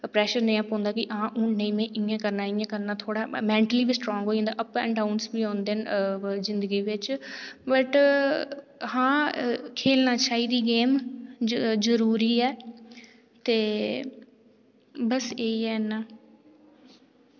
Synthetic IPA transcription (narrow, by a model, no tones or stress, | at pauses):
pɾɛːʃəɾnɐjãpõːnd̪akiʔaãʔũːnẽĩmẽʔĩːẽkɐɾnaɪ̃ẽkɐɾnat̪ʰoːɽamɛ̃ːɳʈəlibisʈɾɔ̃ːŋɡɦoːiɦːnd̪aʔɐpɛ̰̃ːɳɖaʊnsbiɦõːnd̪enɪzɪ̃nd̪əɡiʋɪt͡ʃbɐʈ | hãːkʰeːlnat͡ʃʰaːid̪iɡeːm | zəɾuːɾiɛː | t̪eː | bɐseiɛna